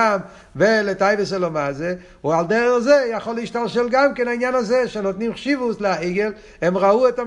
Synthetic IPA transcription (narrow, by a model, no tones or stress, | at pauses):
am | veletajveselomaze | uald̪eʁezejaχolːeiʃtalʃelɡamkenainjanazeʃenot̪nimχʃivusleaiɡel | emʁaueta